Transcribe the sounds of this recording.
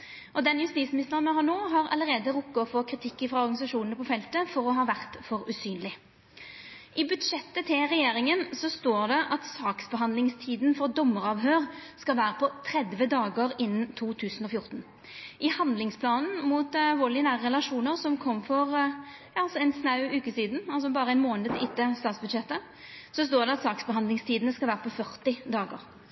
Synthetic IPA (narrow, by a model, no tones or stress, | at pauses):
ʔɔd̪ɛnjʉst̪iːsmɪnɪst̪əʁənmɛɦɑːnoːɦɑɾɑ̰ləʁeːd̪əʁʊkːɑɔfɔkʰʁɪt̪ʰɪkːɪfʁɑɔʁɡɑnɪsɑʂuːnənəpʰɔfɛlt̪əfɔɾɔɦɑːʋæʁt̪fɔɾʉsyːnlɪ | ʔɪbʉd̪ʂɛt̪ːət̪ʰɪlʁɛjeːʁɪŋənsɔst̪oːʁd̪ɛʔɑt̪sɑːksbəɦɑnd̪lɪŋst̪ʰiːd̪nfɔʁd̪ɔmːəʁɑːʋɦøːʁskɑlʋæːɾəpʰɔt̪ʰʁɛd̪ʋəd̪ɑːɡəʁɪnːnt̪ʰuːt̪ʰʉːsn̩ɔfjʊʁt̪n̩ | ʔɪhɑnd̪lɪŋspʰlɑːnn̩muːt̪ʋɔlɪnæːʁʁɛlɑʂuːnəʁsɔmkʰɔmːfɔʁ | ɑlsɔɛɪnsnɑʉʉːkəsiːd̪n̩ɑls̬ɔbɑːɾəɛɪnmoːnd̪ət̪ʔɪt̪ːəst̪ɑːt̪sbʉd̪ʃɛt̪ːə | sɔs̬t̪oːʁɖ̪ɛɑt̪sɑːksbəɦɑnd̪ɪŋst̪ʰiːd̪ənəskɑʋæːʁəpʰɔfœʁt̪ɪd̪ɑːɡo̰ːʁ